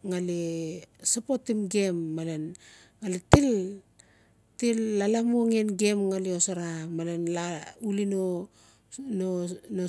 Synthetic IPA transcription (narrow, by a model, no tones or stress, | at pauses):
ŋalesapotimɡe̞mːalen | ŋaletil | tilːalamuŋenɡemŋaleosaɾamalenlaulino | nono